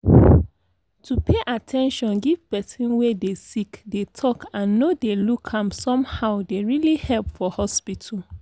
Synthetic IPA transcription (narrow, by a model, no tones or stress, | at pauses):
tʰupʰeʔatʰɛ̃nʃɔ̃nɡiv̥pɛsĩnwedesikdetʰɔkãnːodelukʰãmsɔ̃mhaʊdeɹilihɛlpfɔhɔspitʰul